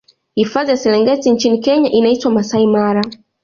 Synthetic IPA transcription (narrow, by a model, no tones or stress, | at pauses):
hifaðijasɛlɛŋɡɛtint͡ʃinikɛɲaʔinaitwamasaimaɾa